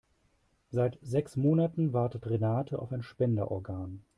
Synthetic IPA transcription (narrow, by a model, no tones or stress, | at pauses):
z̥aɪtzɛksmoːnatn̩vaɐtətʁenaːtʰəʔa̰ʊfaɪnʃpɛndəʔɔ̰ɐɡaːn